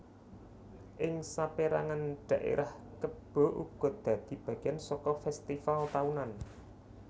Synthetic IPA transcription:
ʔɪŋsapeɾa̰ŋanɖ̪̥ä̤ʔḛɾʔah | kəb̥ɔ̤ʔṵɡ̥ɔ̤d̪̥ä̤d̪̥i̤b̥a̤ɡ̥ɛnsɔkɔfɛst̪ifalt̪aunan

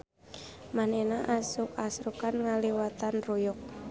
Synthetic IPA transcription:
manenaʔasʊkasɾukanŋaliwat̪anrujʊk̚

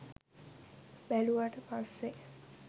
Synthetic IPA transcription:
bæluʋaʈəpasːe

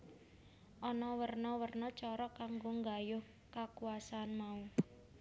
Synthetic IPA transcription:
ʔɔnɔwərnɔwərnɔt͡ʃɔɾɔkaŋɡoŋɡajʊh | kakuasaːnmau

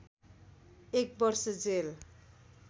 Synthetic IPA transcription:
ek̚bʌrsʌd͡zel

